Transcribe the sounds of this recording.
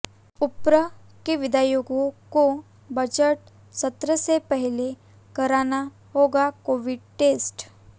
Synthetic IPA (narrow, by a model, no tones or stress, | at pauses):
upɾə | keʋid̪ajoɡoko | bəd͡ʑəʈ̚ | sət̪ɾəsepəɦile | kəɾana | ɦoɡakoʋiɖʈesʈ